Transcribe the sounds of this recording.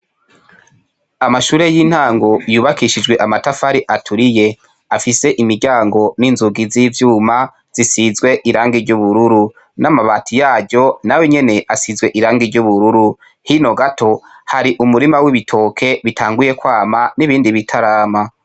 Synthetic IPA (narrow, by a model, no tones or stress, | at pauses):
amaʃuːɾe̞jin̥haːŋɡo̞juːβakiʃid͡ʒɡwe̞ʔamatafaɾiʔatʰuɾije̞ | afise̞ʔimiɾɟaːŋɡo̞ninzuɡiziːvjuːma | z̥isizɡwe̞ʔiɾaːŋɡiɾɟuβuɾuɾu | namaβaːtʰijaːɟɟo̞naweɲe̞ne̞ʔasizwe̞ʔiɾaːŋɡiɾɟuβuɾuɾu | hino̞ɡatʰo̞ | haɾiʔumuɾimawiβitʰo̞ːkʰe̞βitʰaːŋɡuje̞kwaːmaniβiːndiβitʰaɾaːma